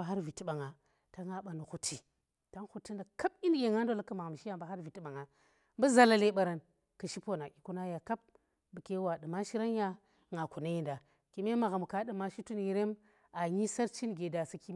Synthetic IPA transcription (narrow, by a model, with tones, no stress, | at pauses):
a˦ɦa˦ɾvi˨ti˦ɓa˨ŋa˨ | ta˦ŋa˦ɓa˨nu˨xu˦tʰːi˨ | ta˦ŋxu˦ti˦nda˨ka˦bi˦n˦ɡʲe˨ŋa˦n˦do˦la˦kə˦ma˨ɣa˨m˨ʃi˦ja˦mba˦ɦa˦ɾvi˨ti˦ɓa˨ŋa˨ | m˦bə˦za˨la˨le˨ɓa˨ɾa˨n | kə˨ʃi˦po˦na˨kʲi˨ku˦na˦ja˨ka˦p̚ | bə˨ke˦wa˨ɗɨ˨ma˦ʃi˦ɾa˦n˦ja˦ | ŋa˨ku˨na˦ji˨nda˨ | ki˨˦me˦ma˨ɣa˨m˨ka˦ɗɨ˨ma˦ʃi˦tu˦nji˨ɾe˦m | a˨ɲi˦sa˦ɾt͡ʃi˦nɡe˨da˨si˦ki˦